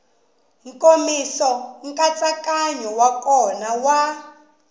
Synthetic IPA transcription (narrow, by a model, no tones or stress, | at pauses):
ŋ̩komisɔŋ̩kʼat͡sakaɲɔwakɔnawa